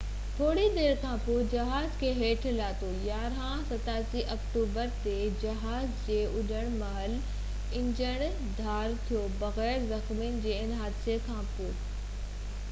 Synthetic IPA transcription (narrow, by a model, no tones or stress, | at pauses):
t̪ʰoːɽid̪eːɾkʰãpod͡ʑɐɦaːzkʰeːɦeːʈʰlaːt̪ojaːɾɦãsɐt̪aːsiʔɐkʈuːbəɾt̪ed͡ʑɐɦaːzd͡ʑeːʔʊʄəɽ̃mɐɦəl | ɪ̃ɲd͡ʑəɽ̃ | d̪ʱaːɾt̪ʰijobɐɣɛːɾzɐxminɪ̆d͡ʑeːɪnɦaːd̪sekʰãːpoː